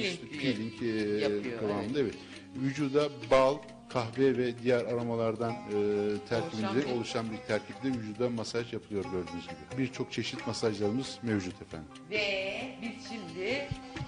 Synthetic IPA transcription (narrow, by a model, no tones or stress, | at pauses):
iʃt̪ɛpʰilʲiɲc | kʰalˠanɯnd̪evɛt̪ | vyd͡ʒuːd̪abalˠ | kʰahvɛvɛd̪ijæɾaɾamalˠaɾd̪anɯːt̪ʰæɾcʰibinizɛo̞lˠuʃanbiɾt̪ʰæɾcʰib̚d̪ɛvyd͡ʒuːd̪amasaʒjapʰɯlˠɯjo̞ɾɟø̞ɾd̪yːnyzɟibibiɾt͡ʃʰo̞k̚t͡ʃʰe̞ʃit̪masaʒlˠaɾɯmɯz̥mevd͡ʒut̪ʰefæ̰nd̪imɛbit͡ʃʰimd̪ɪ